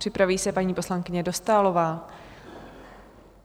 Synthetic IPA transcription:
r̥ɪpɾaviːsɛpaɲiːpo̞slaŋkɪɲɛdo̞st̪aːlo̞vaː

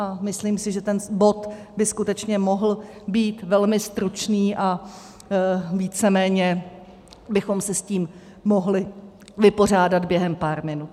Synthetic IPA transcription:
ʔamɪsliːmsɪʒɛt̪ɛnbo̞t̪ | bɪskut̪ɛt͡ʃɲɛmo̞ɦl̩biːt̪vɛlmɪst̪ɾut͡ʃniːʔa | viːt͡sɛmɛːɲɛ | bɪxo̞msɛsciːmː | o̞ɦlɪ | vɪpo̞r̝aːdad̪bjɛɦɛmpaːɾmɪnut̪

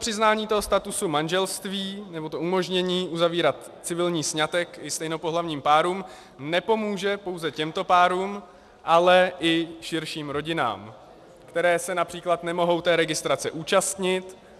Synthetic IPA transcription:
pr̥ɪznaːɲiːt̪oɦost̪at̪usumanʒɛlst̪viːnɛbo̞t̪oʔumo̞ʒɲɛɲiːʔuzaviːɾat̪ | t͡sɪvɪlɲiːsɲat̪ɛkɪst̪ɛjno̞po̞ɦlavɲiːmpaːɾuːm | nɛpo̞muːʒɛpo̞wzɛcɛmt̪o̞paːɾuːm | ʔalɛʔɪʃɪɾʃiːmɾo̞ɟɪna̰ːm | kt̪ɛɾɛːsɛnapr̥iːklat̪nɛmo̞ɦo̞wt̪ɛːɾɛɡɪst̪ɾat͡sɛʔuːt͡ʃast̪ɲɪt̪

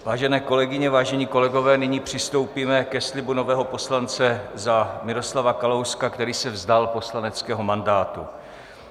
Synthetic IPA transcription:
vaːʒɛnɛːko̞lɛɡɪɲɛvaːʒɛɲiːko̞lɛɡo̞vɛːnɪɲiːpr̝̥ɪst̪o̞wpiːmɛkɛslɪbuno̞vɛːɦo̞po̞slant͡sɛzamɪɾo̞slavakalowskakt̪ɛɾiːsɛvzdalpo̞slanɛt͡skɛːɦo̞mandaːt̪ṵ

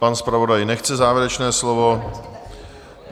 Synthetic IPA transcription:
anspɾavo̞dajnɛxt͡sɛzaːvjɛɾɛt͡ʃnɛːslovo̞

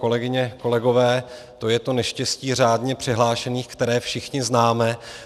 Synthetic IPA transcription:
ko̞lɛɡɪɲɛko̞lɛɡo̞vɛː | t̪o̞jɛt̪o̞nɛʃcɛsciːr̝aːdɲɛpr̝̥ɪɦlaːʃɛniːxkt̪ɛɾɛːfʃɪxɲɪznaːmɛ

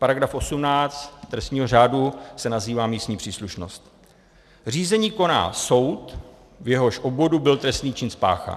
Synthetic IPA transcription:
paɾaɡɾafʔo̞sumnaːt͡st̪t̪ɾɛst̪ɲiːɦo̞r̝aːdusɛnaziːvaːmiːst̪ɲiːpr̝̥iːsluʃnost̪ | r̝iːzɛɲiːko̞na̰ːso̞wt̪ | vjɛɦo̞ʃʔobvo̞dubɪlt̪ɾɛst̪niːt͡ʃɪnspa̰ːxa̰

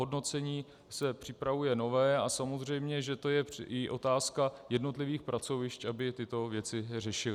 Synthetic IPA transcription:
ɦodno̞t͡sɛɲiː | sɛpr̝̥ɪpɾavujɛno̞vɛːasamo̞zr̝ɛjmɲɛʒɛt̪o̞jɛʔɪʔo̞t̪aːskajɛdno̞t̪lɪviːxpɾat͡so̞vɪʃcʔabɪt̪ɪt̪o̞vjɛt͡sɪr̝ɛʃɪlɪ

